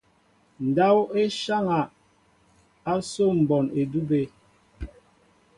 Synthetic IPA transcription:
n̩˨da˦we˦ʃa˦ŋa˨ | a˦so˦m̩˨bɔ˨ne˨du˦be˦

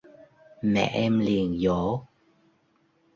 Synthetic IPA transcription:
mɛ̰˧˨ʔɛ˧mli˨˩ənzo˧˨˦

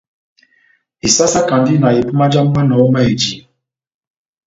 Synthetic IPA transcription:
i˨sa˦sa˦ka˨ndi˦na˨e˨pu˦ma˦d͡ʒa˦m˦ma˦nɔ˨˦ma˦e˨d͡ʒi˨

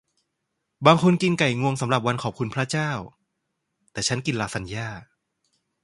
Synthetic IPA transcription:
baː˧ŋkʰo˧nki˧nka˨˩jŋu˧əŋsa˩˦mɾa˨˩p̚wa˧nkʰɔː˨˩p̚kʰu˧npʰɾa˦˥t͡ɕaː˥˩w | t̪ɛː˨˩t͡ɕʰa˦˥nki˧nlaː˧sa˧njaː˥˩

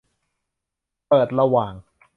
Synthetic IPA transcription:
pɤː˨˩t̪̚ɾa˧waː˨˩ŋ

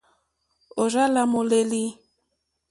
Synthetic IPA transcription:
o˨ɾa˦la˦mo˨le˦li˦

